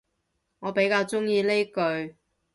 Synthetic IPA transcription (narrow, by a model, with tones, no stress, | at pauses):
ŋɔː˨˧pe˨˥jkaː˧wt͡sʊ˥ŋjiː˧le˥jkɵ˧ɥ